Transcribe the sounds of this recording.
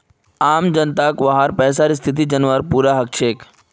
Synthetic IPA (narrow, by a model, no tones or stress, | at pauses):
aːmd͡ʒənt̪akʋaɦaɾpɛːs̬aːɾist̪ʰɪt̪̬id͡ʒənʋəɾpuːɾaɦək̚t͡ʃʰeːk